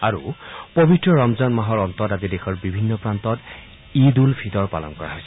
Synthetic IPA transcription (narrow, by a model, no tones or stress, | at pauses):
aɹṵpɔbitɹɔɹɔmzanmaɦɔɹɔntɔtazidɛxɔɹbibʱinːɔpɹantɔt | idulpʰitɔɹpa̰lɔ̰nkɔɹa̰ɦojsɛ